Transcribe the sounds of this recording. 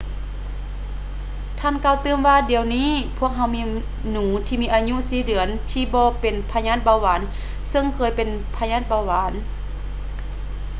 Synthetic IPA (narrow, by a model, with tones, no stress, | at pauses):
t̪ʰaː˧˥˨nkaː˧˩˨wt̪ɯː˧əmʋaː˧di˨əwniː˧˥˨pʰu˧˥˩ək̚ɦa˧˥wmiː˧ | nuː˨˦t̪ʰiː˧miː˧ʔaː˧ɲu˧˥˨siː˧˩˦dɯ˨˩˦ənt̪ʰiː˧bɔː˧pe˨npʰa˧ɲaː˧˥˨t̪̚ba˧˩waː˨˦n | sɤ˧ŋkʰɤː˧˩jpe˨n | pʰa˧ɲaː˧˥˩t̪̚ba˧waː˨˦n